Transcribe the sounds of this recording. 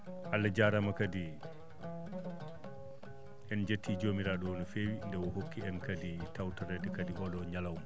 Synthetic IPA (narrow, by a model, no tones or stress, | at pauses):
ʔalːad͡ʒaɾamakadi | ʔɛnd͡ʒetːiːd͡ʒoːmiɾaɗɔwɔnɔfewindɛwɔhokːiɛnkaditawtɔɾɛdɛkadiʔɔɗɔɲalawmɔ